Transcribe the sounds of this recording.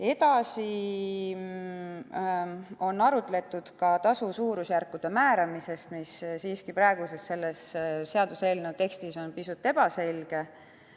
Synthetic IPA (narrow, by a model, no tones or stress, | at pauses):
e̞t̪ɑsi | o̞nːɑɾut̪ːˑle̞t̪ːud̪̥kɑt̪ɑsusuːɾusjærkːud̪̥e̞mæːɾɑmise̞st̪missiːskipɾɑeɡ̥usest̪se̞lːesse̞ɑd̪̥uselʲnot̪e̞kst̪iso̞npisut̪ːˑe̞b̥ɑse̞lʲɡ̥e